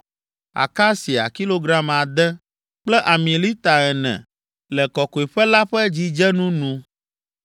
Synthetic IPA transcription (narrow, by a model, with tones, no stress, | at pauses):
a̰˨ka˦si˨a̰˨ki˦lo˦ɡɾa˦ma˨d̪ɛ˦ | k͡plɛ˦ʔa˨mĩ˨li˦t̪a˨ɛ˨nɛ̰̃˨ | lɛ˨kɔ˨ko˨e˨ɸɛ˦la˦ɸɛ˦d͡ʑi˦d͡ʒɛ˦nũ˦nũ˦